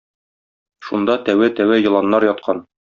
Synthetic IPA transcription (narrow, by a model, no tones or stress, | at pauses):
ʃund̪ɑt̪æwæt̪æwæjɤ̆lˠɑnːɑɾjɒt̪̚qʰɑn